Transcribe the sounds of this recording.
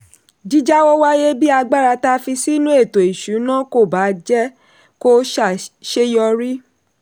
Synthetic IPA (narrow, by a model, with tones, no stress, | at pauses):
d͡ʒi˦d͡ʒa˦wo˦wa˦je˦bi˦a˧ɡ͡ba˦˨ɾa˧ta˦fi˧si˦nũ˦e˦˨to˨i˨ʃu˨˦nã˦ko˦˨ba˨˦d͡ʒɛ˦ | ko˦ʃa˨ʃe˦jɔ˧ɾi˦